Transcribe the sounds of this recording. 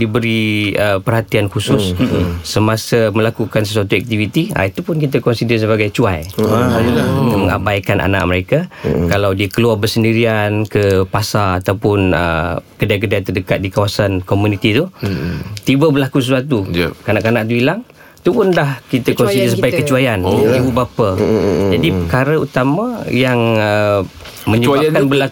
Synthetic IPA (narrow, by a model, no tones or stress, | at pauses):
dibəɾiəpərhat̪iankusʊsːəmasamə̃lakukans̬əs̬uat̪uɛk̚t̪ivit̪ia̰it̪upʊnkit̪akɔnsidəs̬əbaɡajt͡ʃuajanəladəməŋa̰bajkanʔa̰na̰ʔ̚məɾekakalawdiakəluarbərsəndiɾiankəpasaat̪awpʊnə̰kədajk̬ədajt̪ədəkat̪̚dikawasankomunit̪it̪u | t̪ibabərlakus̬əswat̪ukanaʔkanaʔ̚t̪̬uilaŋ | t̪upʊndahkit̪akɔnsidis̬əbaajkət͡ʃuajanibubapad͡ʒadipəkaɾəṵt̪amajaŋə | mə̃ɲəbakanbəlak